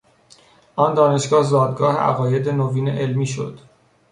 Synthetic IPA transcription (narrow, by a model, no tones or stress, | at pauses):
ʔɒːnd̪ɒːne̞ʃɡɒːhzɒːd̪ɡɒːheæ̰ɣɒːje̞d̪e̞noviːnḛʔelmiːʃo̞̰d̪̥